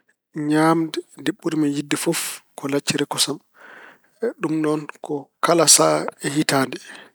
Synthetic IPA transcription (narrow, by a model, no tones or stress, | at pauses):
ɲaːmdɛdeɓːuɾimijidːifɔfkʰɔlat͡ʃːiɾɛkɔsam | ɗumnɔnkʰɔkalasaɛhitaːndɛ